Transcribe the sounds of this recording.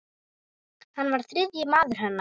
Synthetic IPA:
hanːvaɾ̥θɾɪðjɪmaːðʏɾ̥hɛnːa

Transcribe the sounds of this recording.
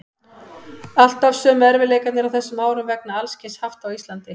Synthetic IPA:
al̥t̪avsœːmɛɾvɪleːjkat̪nɪɾawθɛsːʏmaːwɾʏmvɛknaalscɪshaft̪awist̪lant̪ɪ

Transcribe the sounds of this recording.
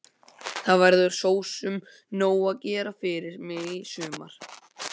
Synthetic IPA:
θaðvɛɾðʏɾ̥soːwsʏm | noːwaðcɛːɾafɪɾɪɾ̥mɪisʏːma̰ɾ̥

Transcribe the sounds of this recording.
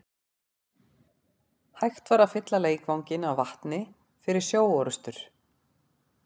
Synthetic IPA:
hajxt̪vaɾafɪt̪laleːjkvawɲcɪnawvaht̪nɪ | fɪɾɪɾ̥sjoːwɔɾʏst̪ʏɾ̥

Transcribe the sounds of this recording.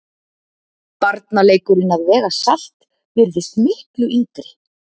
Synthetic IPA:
paɾt̪naleːjkʏɾɪnaðvɛːɣasal̥t̪ | vɪɾðɪst̪mɪhklʏʔiːt̪ɪl̥

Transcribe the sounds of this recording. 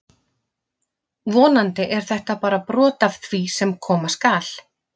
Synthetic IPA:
vɔːnant̪ɪʔɛɾ̥θɛht̪apaːɾapɾɔːt̪av̥θvisɛmkʰɔːmaskaːl̥

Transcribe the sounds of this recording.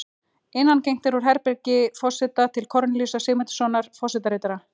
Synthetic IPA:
ɪnːancejŋ̥t̪ɪɾɔɾ̥ɦɛɾpɛɾcɪfɔsɛt̪at̪ʰɪlkʰɔɾnlisasɪɣmɛnt̪sɔnaɾ̥fɔsɛt̪aɾeːt̪ɾa

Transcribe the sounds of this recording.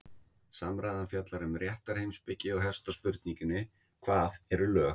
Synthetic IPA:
samɾajðanfjat̪laɾʏmrjɛht̪aɾ̥hejmspɪcːɪɔɣɦɛfst̪aspʏɾt̪niŋcʏnɪ | kʰvaːðɛɾʏlœː

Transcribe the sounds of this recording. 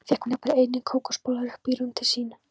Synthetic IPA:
fɛhkhunapnaɾejt̪nɪkʰoːwkɔspoːwlaɾɪpiːɾʏmt̪ʰɪlsiːna

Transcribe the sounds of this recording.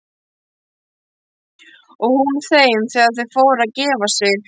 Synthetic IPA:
ɔɣhunθeːjɪmθɛːɣaðθʏðfoːwɾaðcɛːvasɪɾ

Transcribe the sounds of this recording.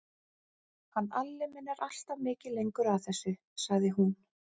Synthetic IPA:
hanːalːɪmɛnːaɾʔal̥t̪amɪːcɪlejŋkʏɾawθɛsːʏ | saɣðɪɦun

